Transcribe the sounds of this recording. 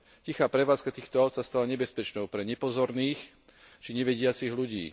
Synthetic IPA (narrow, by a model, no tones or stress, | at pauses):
cixaːpɾɛʋaːt͡skat̪iːxt̪ɔaʊt̪sast̪alaɲɛbɛspɛt͡ʃnɔʊpɾɛɲɛpɔzɔɾniːx | t͡ʃiɲɛʋɛɟɪat͡siɣluɟḭː